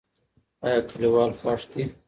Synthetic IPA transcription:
ajɑːkʰiliwɑːlfɑːʂt̪i

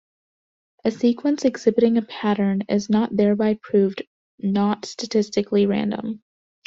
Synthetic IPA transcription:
ʔɨsikʰwə̃nsɨɡz̥ɪbɨɾɪ̃ŋɨpʰæɾə̃˞nɪznət̪̚ðɛɹbaɪpʰɹ̥ʉv | nətstɨtʰɪstɨkliɹæ̰̃ndə̰̃m

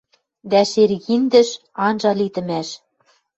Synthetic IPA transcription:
d̪æʃerɣind̪ɘ̆ʃ | ɑnʒɑlit̪ɘ̆mæʃ

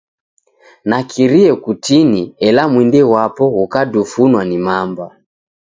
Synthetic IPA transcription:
nakʰiɾiɛkutiniɛlamwindɛwapɔɣukadufunwanimamba

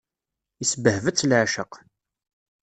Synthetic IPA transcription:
isəbəhvət͡sːlʕʃəq

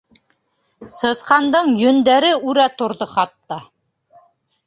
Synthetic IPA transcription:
sɤ̆sqɑnd̪ɤɴjɵ̆nd̪æɾɘʉɾæt̪ŏɾðoχɑt̪ːɑ

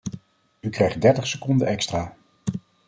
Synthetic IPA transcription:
ykrɛjχt̚dɛɹtəχsəkɔndənɛkstraː

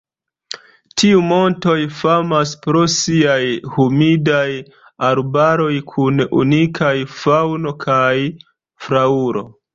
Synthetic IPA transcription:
tʰiumo̞nto̞jfamaspɾo̞siajhumidaj | aɾbaɾo̞jkʰunṵnikʰajfawno̞kʰaj | fɾauɾo̞̰

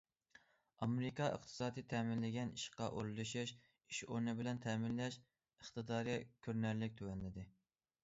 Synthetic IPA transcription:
ɑmɾɪkʰɑʔə̰q̚t̪ʰɨ̥sɑːd̪ɨt̪ʰɛmɪnlɪɡʲɛniʃqɑʔo̰ɾlˠɨʃiʃ | iʃoɾnɨbɪlɛnt̪ʰɛːmɪnlɛʃ | əχt̪ɨd̪ɑːɾɨkʲʰøɾnæɾlɪk̚ʲt̪ʰøwɛnlɪd̪ɪ

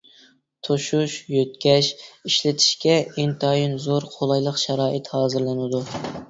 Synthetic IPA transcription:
t̪ʰoʃuʃjøt̪kʲɛʃiʃlɪt̪ʰi̥ʃkʲɛent̪ʰɑjinzoɾqʰolˠɑjlˠəqʃæɾɑːʔɨt̪hɑːzɨɾlˠɨnɨd̪u

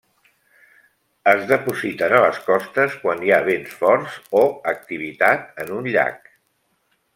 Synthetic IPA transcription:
əzðəpuzit̪ənələskɔst̪əskwaniaβensfɔɾzoək̚t̪iβ̞it̪at̪̚ənunʎa̰k̚

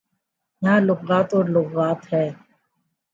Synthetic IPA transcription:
jãːlʊɡːaːt̪oːɾlʊɡaːt̪ɦɛː

